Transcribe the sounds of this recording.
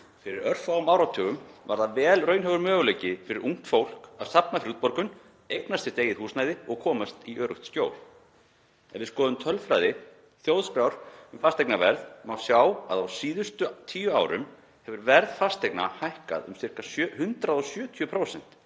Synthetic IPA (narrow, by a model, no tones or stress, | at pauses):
fɪɾɪɾœr̥faɣʏmaːwɾawt̪ʰœːɣʏmvaɾðavɛːlrœɥnɦœɣʏɾmœːɣʏlejcɪfɪɾɪɾʔuŋ̥t̪fowl̥ka̰ðsapnafɾuːt̪̚pɔɾkʏn | ejknast̪ɪ̥t̪eːjɪhuːsnaːjðɪɔɣkʰɔːmast̪iʔœːɾʏxt̪sc̪joːwl | ɛnvɪðskɔːðʏmt̪ʰœlfɾajðɪ | θjowðskɾawɾ̥ʏmfast̪ejknavɛɾðmawsjaːwa̰ðawsiːðʏst̪ʏt̪ʰiːjʏaːwɾʏ̰m | hɛvʏɾvɛɾðfast̪ejkna̰hajhka̰ðʏ̰msɪr̥kashʏnt̪ɾaðɔsjœːt̪ʰjʏpʰɾowsɛn̥t̪